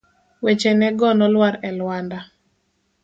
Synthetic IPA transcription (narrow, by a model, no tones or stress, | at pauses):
wet͡ʃɛnɛɡɔnɔlwaɾɛlwanda